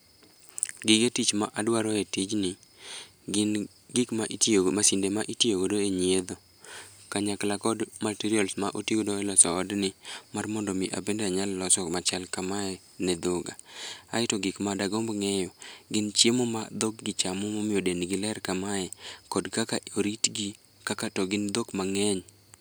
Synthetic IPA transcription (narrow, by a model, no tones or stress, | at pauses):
ɡɪɡetit͡ʃmaʔadwaɾɔetid͡ʒnɪ | n | ɡɪkmaʔitmasindemaʔitjoɡodoeɲied̪o | kaɲaklakɔdmatiɾialsmaʔoteɡodoɛlɔsɔːdnɪmarmɔndɔmɪʔa̰bendaɲalːɔsɔmat͡ʃalkamaɛ | nɛd̪ʊɡa̰aɪtɔɡɪkmadaɡombŋɛjɔɡɪnt͡ʃjemɔma̰d̪ok̚ɡɪt͡ʃamɔmomɪodenɡɪlɛɾkamaɛkɔdkakaoɾitɡi | kakatɔɡɪnd̪okmaŋɛɲ